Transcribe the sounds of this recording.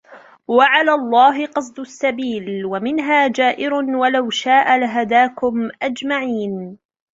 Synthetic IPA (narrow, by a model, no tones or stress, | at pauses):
waʕalaːlˤːɑːɦɪqɑsˤd̪ʊsːabiːlwamɪnɦaːd͡ʒaːʔɪɾʊnwalawʃaːʔalaɦad̪aːkʊmʔad͡ʒmaʕiːn